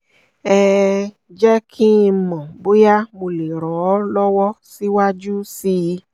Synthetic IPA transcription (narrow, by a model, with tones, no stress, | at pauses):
ɛ˧ | d͡ʒɛ˦kʰi˦˧mɔ̃˨bo˦ja˦mo˧le˨ɾɔ˨˦lɔ˦wɔ˦si˦wa˦d͡ʒu˦si˦˧˦